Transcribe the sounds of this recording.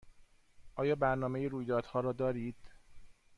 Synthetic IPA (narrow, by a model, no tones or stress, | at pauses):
ʔɒːjɒːbæɾnɒːme̞jeɾuːjd̪ɒːd̪hɒːɾɒːd̪ɒːɾiːd̪̥